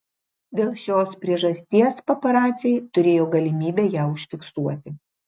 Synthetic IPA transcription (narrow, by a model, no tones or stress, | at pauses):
d̪ʲeːlˠʃʲoːspʲɾʲiɛʒɐsʲt̪ʲiɛspɐpɐɾɑːt̪sʲɪɛɪt̪ʊɾʲeːjoːɡɐlʲɪmʲiːbʲeːjæːʊʃʲfʲɪksuɔt̪ʲɪ